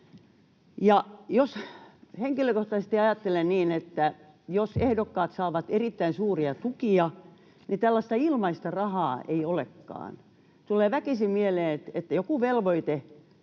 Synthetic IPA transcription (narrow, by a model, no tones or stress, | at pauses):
jɑjosheŋkiløkoht̪ɑsest̪iɑjɑt̪ːelenniːnet̪ːæ | josehdokːɑːt̪sɑːʋɑt̪erit̪ːæinsuːriɑt̪ukiɑ | nit̪ælːɑst̪ɑilmɑist̪ɑrɑhɑːeiolekːɑ̰ːn | t̪uleːʋækisimmieleːnet̪et̪ːæjokuʋelʋoit̪e